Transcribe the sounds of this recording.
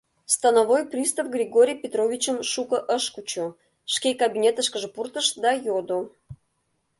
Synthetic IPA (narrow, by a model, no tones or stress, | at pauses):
st̪ɑnovojprʲist̪avɡrʲiɡoɾʲijpʲet̪rovʲit͡ɕəmʃukə̆ʔəʃkut͡ɕo | ʃkʲekabʲinʲet̪əʃkə̆ʒə̆purt̪əʃd̪ɑjod̪o